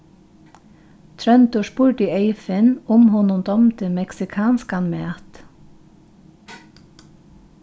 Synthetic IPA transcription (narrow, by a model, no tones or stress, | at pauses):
t̪ʰɾœnt̪ʊʃpuːɖieɪfənʊmhʊnʊmd̪ɔmt̪əmɛksɪkʰɑːnskɑnmeɑt̪